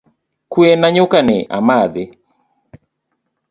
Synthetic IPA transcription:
kuɛnaɲukanɪʔa̰maðɪ

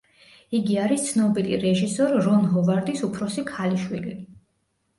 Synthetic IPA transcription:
iɡiaɾist̪sʰnɔbilḭɾɛʒisɔɾːɔnɦɔvaɾd̪isupʰɾɔsikʰaliʃwili

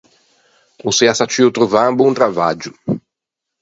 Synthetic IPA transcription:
useasat͡ʃiut̪ɾuvambunt̪ɾavad͡ʒʊ

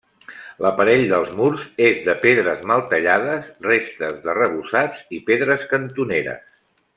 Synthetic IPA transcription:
ləpəɾɛʎd̪əlˠzmuɾzezðəpeðɾəzməlˠt̪əʎað̞əsrest̪əzðərəβusad͡zipeðɾəskənt̪uneɾə̰s

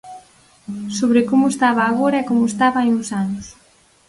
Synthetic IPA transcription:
soβɾɪkomʊest̪aβaːɣoɾaɛkomʊest̪aβaajuŋsanʊs

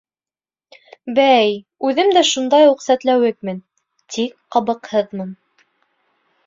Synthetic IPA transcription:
bæj | ʉðɘmd̪æʃund̪ɑjuqsæt̪læwɘk̚mɘn | t̪ik̚qɑβɤ̆qhɤðmɤn

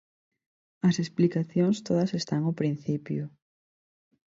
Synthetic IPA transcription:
ɐsesplikaθjoŋst̪oðɐsest̪aŋopɾinθipjʊ

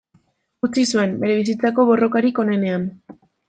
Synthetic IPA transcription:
ut͡sisue̞mbe̞ɾe̞β̞is̬it͡sako̞β̞o̞ro̞kaɾiko̞ne̞ne̞an

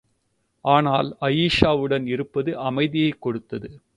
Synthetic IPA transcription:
ʔaːnaːlɐjiːʂaːʋɯɽɐnɪɾɯpːɐðɯʔɐmɐɪðɪjɐɪkːɔɽɯt̪ːɐðɯ

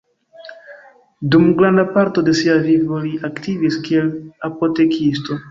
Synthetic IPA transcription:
dumɡɾandapaɾto̞de̞siavivo̞liʔaktiviskie̞lapo̞te̞kʰisto̞

